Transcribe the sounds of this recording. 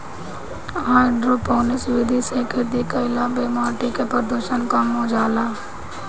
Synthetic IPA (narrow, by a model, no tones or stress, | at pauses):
ɦaːɪɖɾopoːnɪsʋɪd̪ʱiseked̪ikaɪlabeːmaːʈikepəɾd̪oʃənkəmõd͡ʒaːlaː